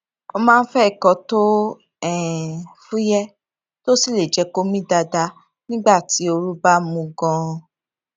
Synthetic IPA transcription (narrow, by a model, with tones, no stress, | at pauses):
o˧mãː˦˧n̩˦fɛ˦i˨kɔ˧to˦ | ɛ˦˨fũ˦jɛ˦ | to˦si˦˨le˨d͡ʒɛ˧˦ko˦mĩ˦da˧da˧ | nĩ˦ɡ͡ba˦˨ti˨˦o˧ɾu˦ba˦mũ˧ɡɔ̃˧